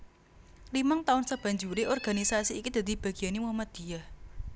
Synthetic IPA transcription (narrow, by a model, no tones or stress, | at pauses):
limaŋt̪aʊnsəb̥a̤ɲd͡ʒuɾeʔɔrɡ̥a̤nisasiːkid̪̥a̤d̪̥i̤b̥a̤ɡ̥i̤janewamad̪̥i̤ah